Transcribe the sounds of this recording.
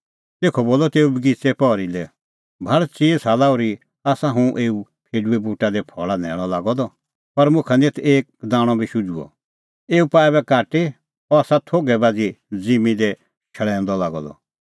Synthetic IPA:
t̪eːkʰɔboːlɔt̪eːubɡit͡sɛpɔɾilɛ | bʱɐɭt͡siːsaːlaːuɾi | aːsaɦũʔeːu | pʰeːɖuɛbuːʈad̪ɛpʰɔ̰ːɭanɛ̰̃ːɔlaːɡɔd̪ɔ | pɐɾmʊ̃kʰɛnet̪ʰeːk̚d̪aːɽ̃ɔbʱiʃud͡ʒuɔ̰ | eːupaːɛbɛkaːʈe | ɔaːsat̪ʰoːɡɛbaːd͡zid͡zimĩd̪ɛ | ʃʰɐɭɛ̃ːnd̪ɔlaːɡɔ̰d̪ɔ̰

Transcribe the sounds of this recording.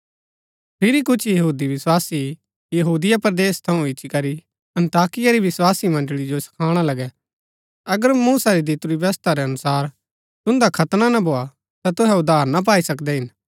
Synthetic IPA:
pʰɪɾikʊt͡ʃʰjɐɦuːd̪iʋɪswaːsi | jɐɦuːd̪ɪjapɾɐd̪eːst̪ʰɐũɪt͡ʃikɐɾi | ɐ̃nt̪aːkɪjaɾiʋɪswaːsimɐ̃nɖɭid͡ʒosɐ̥kʰaːɽ̃alɐɡɛ | ɐɡəɾmuːsaɾid̪it̪ʊɾibɐst̪aɾɛɐnʊsaːɾ | t̪ʊ̃nd̪akʰɐt̪nanabʱoːa | t̪at̪ʊɦɛʊd̪aːɾnap̬aːisɐkd̪ɛɦɪn

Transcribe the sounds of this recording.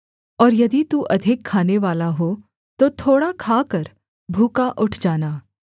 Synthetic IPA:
ɔːɾjɐd̪it̪uʔɐd̪ʱɪkʰːaːneʋaːlaɦoː | t̪ot̪ʰoːɽakʰaːkɐɾ | bʱuːkaʔʊʈʰd͡ʒaːnaː

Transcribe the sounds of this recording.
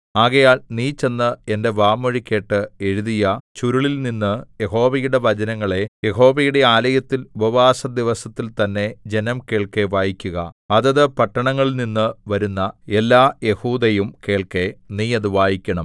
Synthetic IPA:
aːɣɐjaːlniːt͡ɕe̞nːɨende̞ʋaːmɐɻikʲːe̞ːʈːɨe̞ɻuðijɐt͡ɕuɾuɭilninːɨje̞ɦo̞ːʋɐjuɽe̞ʋɐd͡ʑɐnɐŋːɐɭe̞je̞ɦo̞ːʋɐjuɽe̞aːlɐjɐt̪ːilubɐʋaːsɐd̪iʋɐsɐt̪ːilt̪ɐnːe̞d͡ʑe̞nɐmke̞ːɭkeʋaːjikʲːuɣɐ̰ɐðɐðɨpɐʈːɐɳɐŋːɐɭninːɨʋɐɾunːɐelːaːje̞huːd̪ɐjumke̞ːɭke̞niːɐðuʋaːjikʲːɐɳɐm

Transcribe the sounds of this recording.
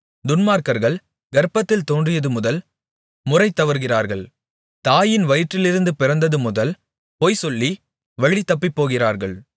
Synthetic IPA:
d̪ʊnmaːɾkɐɾɣɐɭ | ɡɐɾpːɐt̪ːɪlt̪oːndrɪjɐðɯmʊðɐl | mʊrɐɪt̪ːɐʋɐɾɣɪraːɾɣɐɭ | t̪aːjɪnʋɐjʈrɪlɪɾɯnd̪ɯpɪrɐnd̪ɐðɯmʊðɐl | poːjsɔlːi | ʋɐɭit̪ːɐpːɪpːoːɣɪraːɾɣɐɭ

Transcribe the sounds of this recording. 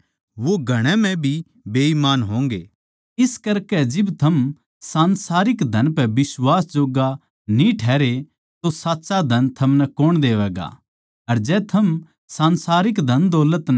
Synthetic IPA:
ʋoɡʱɐɽ̃ɛ̃mɛ̃bʱi | beːimaːnɦõːŋɡḛː | ɪskɐɾkɛd͡ʒɪbt̪ʰɐm | sãːnsaːɾɪkd̪ʱɐnpɛbɪswaːsd͡ʒoːɡa | nĩʈʰɛːɾe | t̪osaːtːsad̪ʱɐnt̪ʰɐmnɛkoːɽ̃d̪eːʋɛːɡa̰ | ɐɾd͡ʒɛːt̪ʰɐm | sãːnsaːɾɪkd̪ʱɐnd̪ɔːlət̪n

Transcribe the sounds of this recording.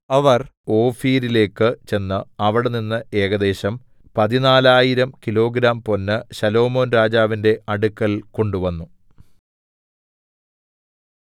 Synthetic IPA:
ɐʋɐro̞ːfiːɾile̞ːkːɨt͡ɕe̞nːɨɐʋɐɽeninːɨʔe̞ːɣɐd̪e̞ːɕɐm | pɐðinaːlaːjiɾɐmkilo̞ːɡɾaːmpo̞nːɨɕɐlo̞ːmo̞ːnɾaːd͡ʑaːʋinde̞ɐɽukːɐlko̞ɳɖuʋɐnːu

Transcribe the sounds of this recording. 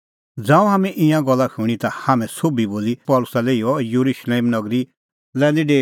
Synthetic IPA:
d͡zãːũɦaːmɛ̃ʔɪ̃jãɡɔlːakʰuɽ̃it̪ahamɛ̃sobʱiboːlipɔːlʊsaleːiɔjuɾuʃleːmnɐɡɾi | lɛ̃ːnd̪iɖeː

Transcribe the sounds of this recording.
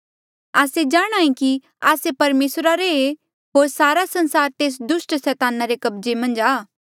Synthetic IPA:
aːsed͡ʒaːɽ̃aːĩki | aːsepɐɾmeːsɾaɾee | ɦoːɾsaːɾasɐ̃nsaːɾt̪eːs̬d̪ʊsʈsɛːt̪aːnaɾekɐbd͡ʒemɐ̃nd͡ʒaː

